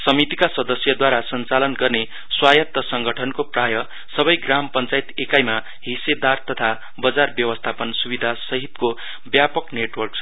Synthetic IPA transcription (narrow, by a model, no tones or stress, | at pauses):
sʌmit̪ikasʌd̪ʌsjʌd̪waɾasʌnt͡salʌnɡʌrne | swajʌt̪ːʌsʌŋɡʌʈʰʌnkoprajʌ | sʌbʌjɡrampʌnt͡sajit̪ekajma | ɦised̪art̪ʌt̪ʰa | bʌd͡zarbjʌwʌst̪ʰapʌnsubid̪ʱasʌɦit̪ko | bjapʌkneʈwʌrks